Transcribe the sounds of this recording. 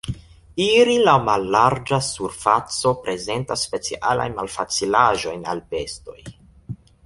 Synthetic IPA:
iɾilawmalːaɾd͡ʒasuɾfat͡so̞pɾe̞ze̞ntasːpe̞t͡siʔa̰la̰jnmalfat͡silaʒo̞jna̰lpe̞sto̞j

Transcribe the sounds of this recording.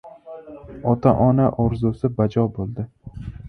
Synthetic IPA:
ɒt̪ʰaʔɒnaʔɒɾzʊsɪbad͡ʒɒbolˠd̪ɪ

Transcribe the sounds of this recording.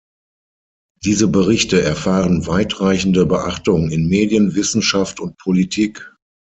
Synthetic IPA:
d̥iːzəbəʁɪçtəʔɛɐfaːʁənvaɪtʁaɪçn̩dəbəʔaχtʊŋɪnmeːdijənvɪsn̩ʃaftʊnt̚pʰolitʰiːk

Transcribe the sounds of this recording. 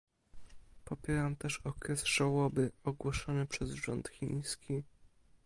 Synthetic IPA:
pɔpʲjɛɾamt̪ɛʂɔkɾɛsʐ̥awɔbɘɔɡwɔʂɔnɘpʂɛzʐɔ̰nt̪xʲḭj̃skʲi

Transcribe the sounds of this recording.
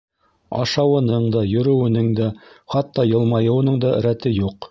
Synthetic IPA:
ɑ̰ʃɑwɤ̆nɤɴd̪ɑjɵ̆ɾɵ̆wɘ̆nɘŋd̪æχɑt̪ːɑjɤ̆lˠmɑjɤ̆wɤ̆nɤɴd̪ɑ̆ɾæt̪ɘjuq

